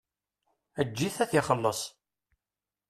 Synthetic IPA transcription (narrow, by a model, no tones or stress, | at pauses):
æd͡ʒːiθæθiχəlːəsˤ